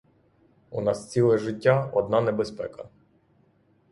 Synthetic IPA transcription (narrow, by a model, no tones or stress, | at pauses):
unɑst͡sʲilˠɛʒɪtʲːaɔd̪̚nɑnɛbespɛkɐ